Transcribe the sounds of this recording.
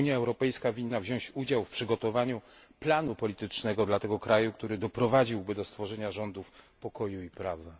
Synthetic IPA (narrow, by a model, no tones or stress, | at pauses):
ɲjaɛwɾɔpɛjskavʲinːavʑɔ̃w̃ɕt͡ɕud͡ʑawfpʂɘɡɔt̪ɔvaɲuplanupɔlʲit̪ɘt͡ʂnɛɡɔd̪lat̪ɛɡɔkɾajukt̪uɾɘd̪ɔpɾɔvad͡ʑiwbɘd̪ɔst̪fɔʐɛɲaʐɔnd̪ufpɔkɔjuipɾavɛ